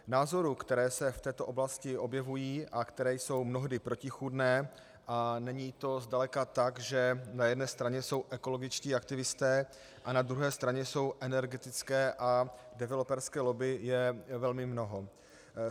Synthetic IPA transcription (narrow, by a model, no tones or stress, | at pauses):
naːzo̞ɾukt̪ɛɾɛːsɛft̪ɛːt̪o̞ʔoblascɪʔo̞bjɛvujiːʔakt̪ɛɾɛːjso̞wmno̞ɦdɪpɾo̞cɪxudnɛː | ʔanɛɲiːt̪o̞zdalɛkat̪aɡʒɛnajɛdnɛːst̪ɾaɲɛjso̞wʔɛko̞lo̞ɡɪt͡ʃciːak̚t̪ɪvɪst̪ɛː | ʔanad̪ɾuɦɛːst̪ɾaɲɛso̞wʔɛnɛɾɡɛt̪ɪt͡skɛːʔa | dɛvɛlopɛɾskɛːlo̞bɪjɛvɛlmɪmno̞ɦo̞